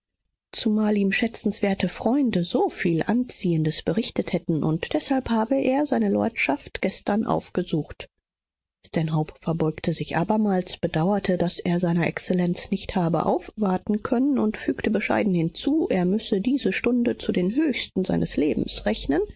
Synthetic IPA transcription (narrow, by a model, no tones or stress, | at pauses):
t͡sumaːliːmʃɛt͡sn̩sv̥eːɐtəfʁ̥ɔʏndəzofiːlʔant͡siːəndəsb̥əʁɪçtəthɛtn̩ʔʊ̰ntd̥ɛshalphaːbəʔeːɐzaɪnəlɔɪtʃaftɡ̥ɛstɐnʔa̰ʊfɡ̥əzuːxt | stɛnɦaʊpfɛɐbɔʏktʰəzɪçʔaːbɐmaːlsb̥ədaʊɐtʰədasʔeːɐzaɪnɐʔɛ̰kt͡sɛlɛnt͡snɪçthaːbə̰ʔa̰ʊfv̥aɐtn̩kʰœnənʊntfyːktəbəʃa̰ɪdn̩hɪnt͡suːʔeːɐmʏsədiːzəʃtʊndət͡sudeːnɦøːçstn̩za̰ɪnʔəsleːbm̩sʁɛçnən